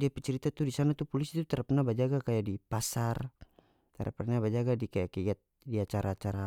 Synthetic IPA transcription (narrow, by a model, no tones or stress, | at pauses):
diapɛt͡ʃɛɾit̪at̪udisanat̪upɔlisit̪ut̪aɾapnabad͡ʒaɡakajadipasar | t̪aɾʔa̰pnabad͡ʒaɡadikajakɛat̪̚ | diat͡ʃaɾat͡ʃaɾa